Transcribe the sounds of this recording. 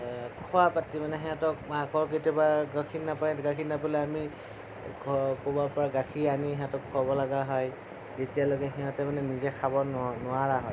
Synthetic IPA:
kʰɔapatimanɛɦɛɔ̃tɔkmakɔɹk̬etijɔbaɡakʰinnːapajɡakʰinapolɛami | kʰɔkobaɹpɔɹaɡakʰianiɦɛãtɔkʰːabɔlaɡaɦɔj | tetialoɡɛɦɛɔ̃tɛmanɛnizɛkʰabɔnnʊaɹaɦɔj

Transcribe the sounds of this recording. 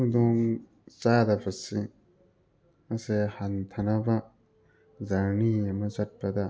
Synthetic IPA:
d̪ɔŋ | t͡ʃadɐpʰɐsi | ɐsehant̪ʰɐnɐbɐ | zɐɾniɐmɐzɐt̚pɐd̪a

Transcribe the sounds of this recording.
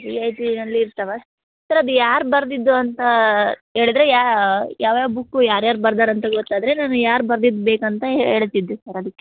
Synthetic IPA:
ɾiɐjʈinɐlːiːɾt̪ɐʋe | sɐɾɐd̪ujaːɾubɐɾd̪id̪ːuɐnt̪ɐɦe̞ːɭid̪ɾejaːjaːʋjaːʋbukːujaːɾjaːɾubɐɾd̪aːɾɐnt̪ɐɡot̪ːaːd̪ɾe̞naːnujaːɾubɐɾd̪id̪ːubeːkɐnt̪ɐḛːɭt̪ːid̪ːusɐɾɐd̪ɐkːe

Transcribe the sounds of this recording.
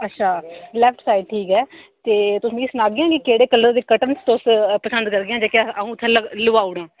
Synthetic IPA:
ətːʃʰaːlɛːpʰʈsaːɪɖʈʰiːkɛːt̪eːt̪ʊsĩːɪsnaːɡɪãːkikeːɽeːkəlːəɾd̪eːkəʈənst̪ospəsənd̪kəɾɡɪjãːd͡ʒaːkɪaaɦũːt̪ʰːɛ̃ːlələʋaːʊɽãː

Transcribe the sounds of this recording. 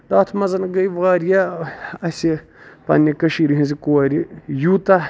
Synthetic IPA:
d̪aːt̪ʰmɐzɐnɡɐjʋaːɾjaɐsʲi | pɐ̰nʲːikɐʃiɾiɦĩnzikoɾijuːt̪ɐ

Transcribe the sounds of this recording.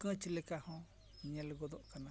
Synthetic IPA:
kɨ̃t͡ʃilekahõ | ɲãleɡod̪oʔkanã

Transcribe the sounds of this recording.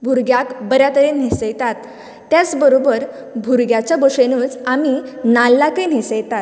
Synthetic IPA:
bʱuɾɡjakbəɾjat̪əɾen̤esəjt̪at̪ː | jat͡sbəɾobəɾ | bʱuɾɡjat͡ɕjaboʂenũːt͡saminalːakən̤esəjt̪at̪

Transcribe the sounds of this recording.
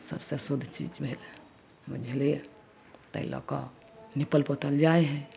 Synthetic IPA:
sə̰bsesud̪ʱt͡ʃḭd͡ʒbʱel | bəd͡ʒʱle | t̪ə̰ḭlɔ̰ka̰ | nipəlpət̪əld͡ʒaeɦɛ̃

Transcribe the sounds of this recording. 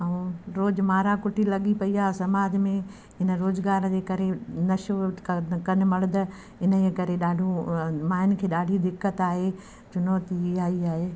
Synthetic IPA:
ɐũɾoːd͡ʑmaːɾakʊʈilɐɠipɐiaːsɐmaːd̪ʱmẽ | ɦɪnə̆ɾoːzɡaːɾd͡ʑeːkɐɾenɐʃokʰkɐn̆mɐɽd̪ɐ | ɪnəkɐɾeɗaːɖʱũmaːɦɪnɪ̆kʰeːɗaːɖʱid̪ɪkːət̪aːɦe | t͡ɕʊnoːt̪iaːiaːɦeː

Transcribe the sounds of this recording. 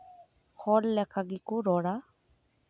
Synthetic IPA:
xɔlːɛkʰaɡikʊɾɔɽa

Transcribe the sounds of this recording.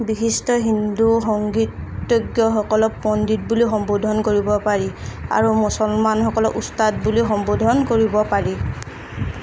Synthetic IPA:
bixistɔɦinduxɔŋɡitːoɡjɔɦɔkɔlɔkpɔnditbulixɔmbodʱɔnkoɹibɔpaɹia̰ɹumusɔlmanɦɔkɔlɔkustat̚bulixɔmbodʱɔnkoɹibɔpaɹi

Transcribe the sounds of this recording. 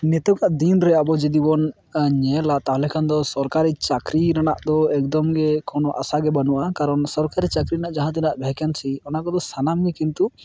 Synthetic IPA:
nɛt̪ɔkaʔd̪inɾɛaʔbɔd͡ʒid̪ibɔn | ɲɛlat̪aɦlɛkʰand̪ɔsɔɾkaɾit͡ʃakɾiɾanaʔd̪ɔɛk̚d̪ɔmɡɛkɔnɔʔa̰saɡɛbanuʔakaɾɔnsɔɾkaɾit͡ʃakɾiɾnaʔd͡ʒaɦãt̪̬inaʔbʱɛkansiɔnaʔkɔd̪ɔsanamɡɛkint̪u

